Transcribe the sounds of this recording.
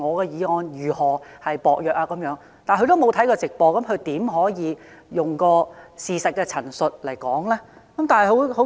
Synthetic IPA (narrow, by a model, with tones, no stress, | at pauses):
ŋɔː˨˧kɛː˧jiː˨˧ɔː˧njyː˨˩hɔː˨˩hɐ˨jpɔː˨k̚jœː˨k̚aː˧kːɐ˨˥mjœː˨˥ŋ | t̪aː˨nkʰɵ˧˥t̪o˥wmo˨˧wt̪ʰɐ˨˥jkɔː˧t͡sɪ˨k̚pɔː˧kɐ˨˦mkʰɵ˨˧ɥt̪iː˨˥mɦɔː˨˥jiː˨˧ | jʊ˨ŋkɔː˧siː˨sɐ˨t̚kɛː˧t͡sʰɐ˨˩nsɵ˨t̚lɐ˨˩jkɔː˨˥ŋlɛː˥kɐ˨˦˥mt̪aː˨nhɐ˨jho˨˥who˨˥